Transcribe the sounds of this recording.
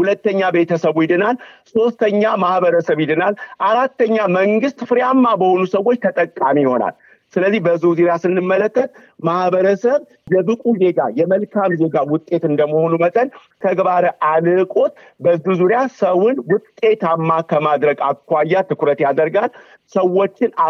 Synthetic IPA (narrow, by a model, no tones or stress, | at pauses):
hulət̪ːəɲːabe̞t̪ʰəsəβujɪd̪ɨnalso̞st̪ʰəɲːamahbəɾəsəβjɪd̪ɨnalʔaɾat̪ːəɲːaməŋɡɨst̪fɨɾjamːabəho̞nusəwo̞t͡ʃːt̪ʰət̪ʼəkʼːamiho̞na̰l | sɨləzːihbəzːuzuɾjasɨnːɨmːələkːət̪ | mahbəɾəsəβ | jɛbɨkʼuze̞ɡajɛməlkʰamze̞ɡawʊt̪ʼːe̞t̪ɨnd̪əməho̞numət̪ʼənk̪ʰəɡbaɾəʔalɨkʼo̞t̪ | bəzuzuɾjasəwʊnwʊt̪ʼːe̞t̪amːakʰəmad̪ɾəɡakːʷajːat̪ʰɨkɾət̪jad̪əɾɡal | səwːo̞t͡ʃːɪn